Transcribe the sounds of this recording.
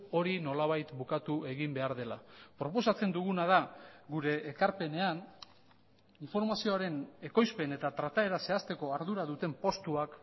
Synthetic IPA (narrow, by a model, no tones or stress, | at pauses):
o̞ɾino̞laβajt̪bukat̪ue̞ɣimbe̞aɾð̞e̞lapɾo̞po̞sat͡se̞nd̪uɣunað̞aɡuɾe̞ːkaɾpe̞ne̞an | iɱfo̞ɾmasio̞aɾe̞ne̞ko̞jspe̞ne̞t̪at̪ɾat̪ae̞ɾase̞ast̪e̞ko̞aɾðuɾaðut̪e̞mpo̞st̪uak